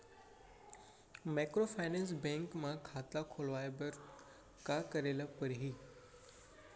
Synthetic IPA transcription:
maːkɾofaːɪnẽns̬bẽŋkmãkʰaːt̪akʰoːlʋaːebəɾ | kakəɾelapəɾɦiː

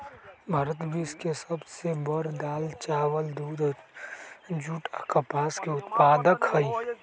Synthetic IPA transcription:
bʱɐɾət̪bʱiskesəbsebəɾd̪aːlt͡ʃaːwəld̪uːd̪ | d͡ʒuʈəkɐpaːskeʊt̪paːd̪əkhəi

